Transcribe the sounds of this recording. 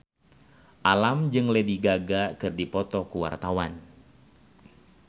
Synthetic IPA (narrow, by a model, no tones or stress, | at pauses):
ʔalamd͡ʒɨŋlediɡaɡakɨrdipɔt̪ɔkuwa̰rt̪awan